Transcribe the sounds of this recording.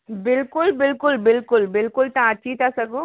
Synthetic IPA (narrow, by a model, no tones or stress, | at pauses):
bɪlkʊlbɪlkʊlbɪlkʊlbɪlkʊlt̪ãːt͡ʃʰit̪asɐkõ